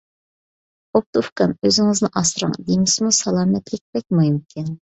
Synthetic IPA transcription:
op̚t̪ufkɑnøzɪŋɨznɪʔɑsɾɑ̰ŋd̪emɪsmusɑlˠɑːmɛt̪lɪk̚ʲbɛk̚ʲmujmkʲʰɪn

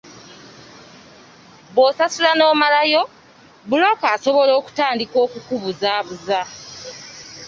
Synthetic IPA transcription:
βosasulano̞ːmalajo̞ | βulo̞kaːso̞βo̞lo̞ːku̥taːndiko̞ːkukuβuzaːβuza

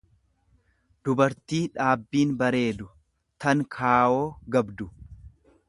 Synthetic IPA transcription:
d̪̥ʊbɐɾt̪iːᶑaːbːiːnbɐɾe̞ːd̪ʊ | t̪ɐŋkʰaːʔo̞ːɡɐbd̪ʊ

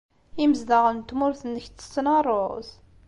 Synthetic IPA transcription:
iməzd̪aʁənt̪ːmʊɾθənːəçt̪ə̥t͡sːnɑrˤos

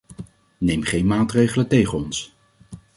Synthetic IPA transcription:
nejmχejnmaːtrejχələntejχənɔns

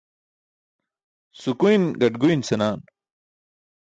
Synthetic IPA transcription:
sukujnɡɐʈɡuinsɐnaːn

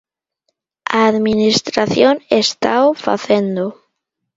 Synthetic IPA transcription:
a̰ːðminist̪ɾaθjonest̪awfa̰θend̪o

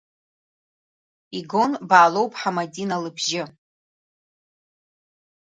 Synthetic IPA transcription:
iɡo̞nbaːlo̞wpʼħamadʲinalɨbʒɪ

